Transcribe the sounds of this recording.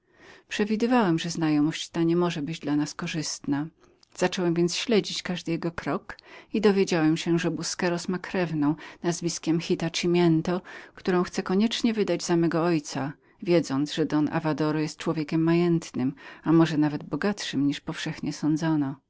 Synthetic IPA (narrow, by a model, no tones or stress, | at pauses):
pʂɛvʲid̪ɘvawɛmʐɛznajɔmɔɕt͡ɕt̪aɲɛmɔʐɛbɘd͡ʑd̪lanaskɔʐɘst̪na | z̥at͡ʂɔwɛmvʲjɛntsɕlɛd͡ʑit͡ɕkaʐd̪ɘjɛɡɔkɾɔkid̪ɔvʲjed͡ʑawɛmɕɛʐɛbuskɛɾɔsmakɾɛvnɔ̃w̃nazvʲiskʲɛmxʲit̪at͡ʂimʲjɛnt̪ɔkt̪uɾɔ̃w̃xt̪sɛkɔɲɛt͡ʂɲɛvɘd̪ad͡ʑzamɛɡɔɔjt̪sa | vʲjɛd̪zɔnt̪zʐɛd̪ɔnʔa̰vad̪ɔɾɔjɛst̪̚t͡ʂwɔvʲjekʲɛmːajɛnt̪nɘmamɔʐɛnavɛd̪bɔɡat̪ʂɘmɲiʂpɔfʂɛxɲɛsɔ̃nd̪zɔnɔ